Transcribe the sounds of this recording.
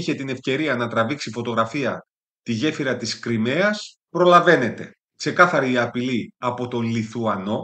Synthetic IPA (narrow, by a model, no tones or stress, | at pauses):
içe̞t̪ine̞fce̞ɾiɐnɐt̪ɾɐviksifo̞t̪o̞ɣɾɐfiɐ | t̪iʝe̞fiɾɐt̪iskɾimeɐs | pɾo̞lɐve̞ne̞t̪e̞ | kse̞kɐθɐɾiɐpiliɐpo̞t̪o̞liθuɐno̞